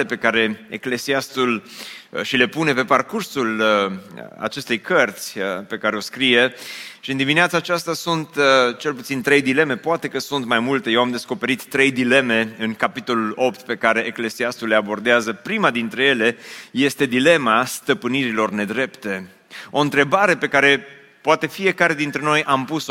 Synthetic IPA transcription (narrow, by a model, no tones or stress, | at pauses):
epe̞kaɾe̞ḛkle̞siast̪ul | ʃile̞pune̞pe̞parkursul | a̰t͡ʃe̞st̪e̞jkərt̪sʲəpe̞kaɾe̞o̞skɾije̞ʃiɨnd̪imineat̪saːt͡ʃast̪asunt̪t͡ʃe̞lput̪sint̪ɾe̞jd̪ile̞me̞poat̪e̞kəsunt̪majmult̪e̞je̞wamd̪e̞sko̞pe̞ɾit̪ːɾe̞jd̪ile̞me̞ɨŋkapit̪o̞lulo̞pt̪pe̞kaɾe̞ʔekle̞siast̪uleabo̞rd̪eazəpɾimad̪int̪ɾe̞je̞le̞je̞st̪e̞d̪ile̞mast̪əpɨniɾilo̞rne̞d̪ɾe̞pt̪e̞ | o̞ɨnt̪ɾe̞baɾe̞pe̞kaɾe̞ | poat̪e̞fie̞kaɾe̞d̪int̪ɾe̞no̞jʔampus